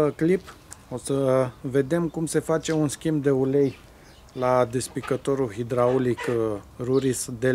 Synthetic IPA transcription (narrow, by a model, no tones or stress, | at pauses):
klip | o̞səve̞d̪e̞mkumse̞fat͡ʃe̞unskʲimbd̪e̞ule̞j | lad̪espikət̪o̞ɾulɦid̪ɾaolikruɾisd̪e